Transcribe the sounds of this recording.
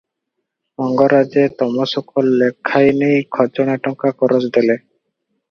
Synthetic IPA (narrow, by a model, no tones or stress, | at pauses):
mɔŋɡɔɾad͡ʒet̪ɔmɔsɔkɔlːekʰːajnejkʰɔt͡ʃɔɽ̃aʈɔŋkakɔɾosd̪ele